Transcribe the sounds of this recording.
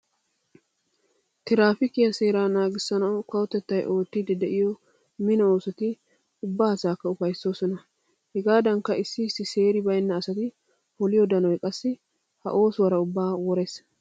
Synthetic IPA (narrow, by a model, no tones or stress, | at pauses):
t̪ɪɾaːfɪkɪjɐseːɾaːnaːɡɪsːɐnɐwkɐwɔt̪ɛt̪ːɐjʔo̞ːt̪ːɪd̪ɛd̪ɛʔɪjɔ | mɪnɐoːsɔt̪ɪ | ʊbːaːhɐsaːkːɐʊfɐjsːo̞ːsɔnɐ | hɛɡaːd̪ɐŋkːɐɪsːɪɪsːɪse̞ːɾɪbɐjnːɐːsɐt̪ɪ | hɔlɪjɔd̪ɐnɔjkʼɐsːɪ | hɐ̰ʔo̞ːswɐɾɐʊbːaːwɔɾɛs